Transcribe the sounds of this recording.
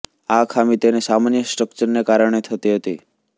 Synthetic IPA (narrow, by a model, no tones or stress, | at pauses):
akʰamit̪enesamanjəsʈɾəkt͡ʃəɾnekaɾəɳ̃et̪ʰət̪iɦət̪ḭ